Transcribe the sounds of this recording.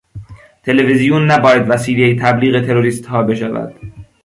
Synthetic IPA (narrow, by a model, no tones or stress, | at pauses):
t̪ʰe̞levezijunːæbɒːjæd̪væsiːlet̪ʰæbliːɣe̞t̪ʰeɾoɾiːst̪hɒːbe̞ʃævæ̰d̪̥